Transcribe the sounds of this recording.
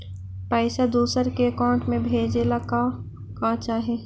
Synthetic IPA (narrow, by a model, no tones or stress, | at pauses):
pɛɪsad̪uːsəɾkeɐkaːʊ̃ɳʈmẽbʱeːd͡ʒelaka | kãt͡ʃaːɦe